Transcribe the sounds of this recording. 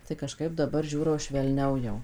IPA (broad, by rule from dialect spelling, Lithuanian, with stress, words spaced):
tɐɪ kɐˈʃkɐɪp dɐˈbɐr ˈʒʲuːroː ʃʲʋʲɛlʲˈnʲɛʊ jɛʊ